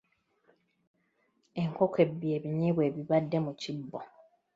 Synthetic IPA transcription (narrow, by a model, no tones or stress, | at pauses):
eŋ̩kʰɔkʰebːiebiɲebwebibadːemũt͡ɕibːɔ